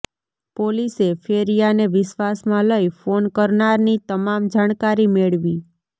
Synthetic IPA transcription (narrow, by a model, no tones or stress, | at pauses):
polisefʰeɾijaneʋɪʃʋasmãləifonkəɾnaɾnit̪əmamd͡ʒaɽ̃kaɾimeɭʋi